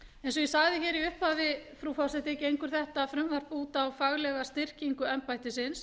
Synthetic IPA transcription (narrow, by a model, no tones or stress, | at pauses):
ɛjns̬ɔjisaɣðɪçɛːɾiʏhphaðɪfɾufɔwsɛht̪ɪɛcɪejŋkʏɾ̥θɛht̪aːfɾʏmvaɾ̥puːt̪aːwfaɣlɛɣast̪ɪr̥ciŋkʏɛmpajt̪ɪsɪns